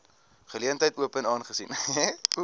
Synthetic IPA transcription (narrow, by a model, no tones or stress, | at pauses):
χəliəntəjtuəpənɑːnχəsinɛu